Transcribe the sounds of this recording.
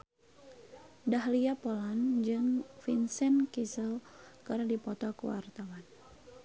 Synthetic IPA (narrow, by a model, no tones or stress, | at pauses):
daɦliapɔland͡ʒɨŋfinsɛnkisəlkɨrdipɔt̪ɔkṵwa̰rt̪awan